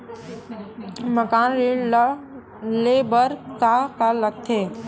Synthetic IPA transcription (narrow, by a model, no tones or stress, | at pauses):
məkaːnɾi | leːbəɾt̪akaləkt̪ʰeː